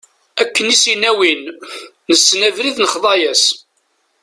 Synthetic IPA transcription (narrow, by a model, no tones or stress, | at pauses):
ækːənisinæwinː | əsːnævɾiðnəχðˤɑjæs